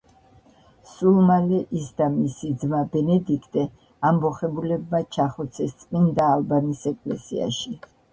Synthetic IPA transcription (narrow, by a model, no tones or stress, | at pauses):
sulˠmalɛʔisd̪amisid̪zmabɛnɛd̪ikʰt̪ʼɛ | ambɔχɛbulɛbmat͡ʃʰaχɔt̪sʰɛst̪sʼmind̪aːlˠbanisɛkʼlɛ̰sḭa̰ʃi